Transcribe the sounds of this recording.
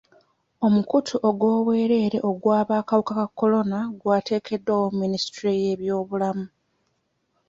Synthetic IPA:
o̞mukutʰuʔo̞ɡwo̞ːβwe̞ːɾe̞ːɾe̞ʔoɡwaːβaːkaβukakakːo̞lo̞naɡwaːte̞ːkʰe̞dːawomːinisi̥tɾije̞ːβjo̞ːβulamu

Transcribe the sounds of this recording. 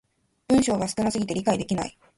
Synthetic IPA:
b̥ɯ̟̃ɰ̃ɕo̞ːɡasɨ̥kɯ̟nasɨɡʲit̪e̞ɾʲikaid̪e̞kʲina̰i

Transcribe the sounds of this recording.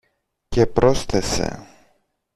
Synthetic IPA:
cepɾosθese̞̰

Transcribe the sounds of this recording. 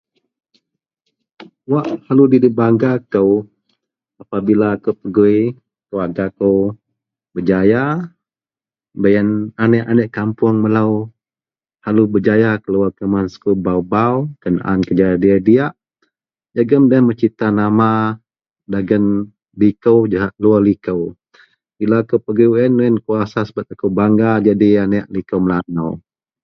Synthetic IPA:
waʔhaludidibaŋɡakəw | apabilaːkəwpəɡui | kəwaɡakəw | bəd͡ʒaja | bəjənanɛʔanɛʔkampʊŋməlaw | halubəd͡ʒajakəluwakəmansə̥kubawbawkəna̰ʔa̰nkəd͡ʒajadiadijaʔ | d͡ʒaɡəmdamət͡ʃit̪anama | daɡən | likəwd͡ʒaɦaʔlualikəw | bilaakopəɡiwɛnːuɛnkuasasəbat̪̚akuwbaŋɡad͡ʒadianɛʔlikəwməlanaw

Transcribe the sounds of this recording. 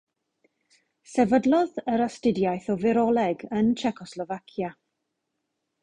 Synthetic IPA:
sɛvədlˠɔðəɾastɪdjajθɔvɪɾɔlˠɛɡənt͡ʃʰɛkʰɔslˠɔvakʰja

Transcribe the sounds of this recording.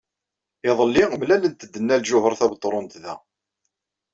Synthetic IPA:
ɪðˤəlːimlælənt̪əd̪ːənːælʒʊhəɾˤθæbt̪ˤːɾˤont̪ðæ̰

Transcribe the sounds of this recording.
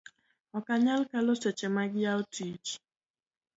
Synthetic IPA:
ɔkaɲalkaloset͡ʃemaɡɪjaotʰiːt͡ʃ

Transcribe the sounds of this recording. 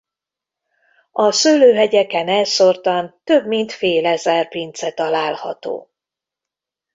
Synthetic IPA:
ɒsøːløːɦɛɟɛkɛnɛlsort̪ɒnt̪øbmint̪feːlɛzɛrpint̪sɛt̪ɒlaːlhɒ̰t̪o̰ː

